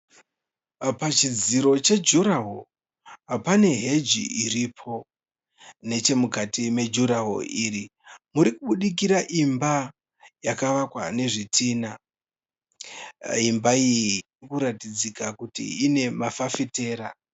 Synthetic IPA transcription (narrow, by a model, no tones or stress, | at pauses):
pat͡ʃid͡ziɾo̞t͡ʃe̞d͡ʒuɾaɦo | apane̞ɦe̞d͡ʒḭiriːpʰo̞ | ne̞t͡ʃe̞mukatime̞d͡ʒuɾaɦo̰iːɾimuɾikuɓuɗik̬iɾaʔimba | jakaʋakwane̞ʐitʰiːna | imbaijiiirikuɾatid͡zikakutḭine̞mafafite̞ːɾa